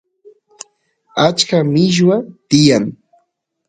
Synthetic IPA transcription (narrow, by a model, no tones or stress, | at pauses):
at͡ʃkamɪʃ̬wat̪ɪjaŋ